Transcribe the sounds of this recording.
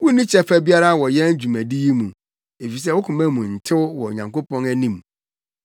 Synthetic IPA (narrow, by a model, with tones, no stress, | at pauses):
wʊ˦nĩ˦t͡ɕʰɛ˦fæ˦bi˦a˦ɾa˦wɔ˨jɛ˦n˦d͡ʑᶣu˨mæ̃˨di˦ji˦mũ˨ | e˨fi˨s̬ɛ˦wʊ˦kʰʊ̃˨mæ̃˦mũ˨n̩˨tʰɪ˦wwɔ˨ɲã˨ŋko˦pɔ̃˦næ˦nĩ˦m